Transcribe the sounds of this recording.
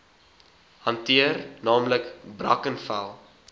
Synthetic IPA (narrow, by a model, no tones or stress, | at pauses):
hɐntiərnɑːmləkbrɐkənfæ̰lˠ